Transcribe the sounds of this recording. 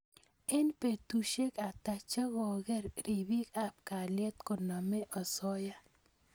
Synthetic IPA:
e˦npe˨t̪u˨ʃe˦ka˨t̪a˨t͡ʃa˦ɡɔ˨ɡɛ˦ɾɾi˨bi˦ka˦p̚ka˨ljɛ˦t̪ko˨na˨mɛ˦ʔɔ˨sɔ˦ja˦

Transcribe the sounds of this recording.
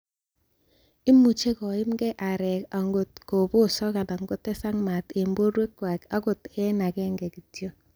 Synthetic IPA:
ɪ˦mu˨t͡ʃe˦kɔ˨ɪ˦mɡɛ˦ʔa˨ɾɛ˨ka˨ŋɡo˨tko˨bo˦sɔ˦ka˨na˨ŋɡo˦tɛ˦sa˦ŋma˨te˨mbo˦ɾwe˦kːwa˨ka˦ko˨tɛ˦na˨kɛ˦ŋɡɛ˨ki˨tjo˦

